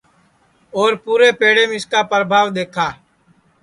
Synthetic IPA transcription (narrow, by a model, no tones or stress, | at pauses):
oːɾpuːɾeːpeːɽeːmɪskaːpɾəbʱaːʋd̪eːkʰaː